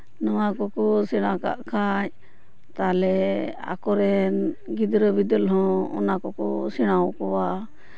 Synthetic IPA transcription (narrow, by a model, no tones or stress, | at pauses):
nɔwakɔkɔsiɽ̃aka̰ʔkʰaɲ | t̪alɛa̰kɔɾɛnɡid̪ɾəbid̪əlɦɔ̃ɔ̰nakɔkɔsiɽ̃awkɔwa